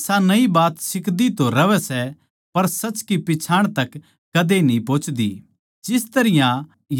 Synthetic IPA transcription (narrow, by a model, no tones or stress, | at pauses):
sanɐibaːt̪sɪkd̪it̪oɾɐʋɛsɛ | pɐɾsɐt͡ʃkipɪt͡ʃʰaːɽ̃t̪ɐkː | ɐd̪enĩpoːt͡ʃd̪ḭ | d͡ʒɪst̪ɐɾɪjã | j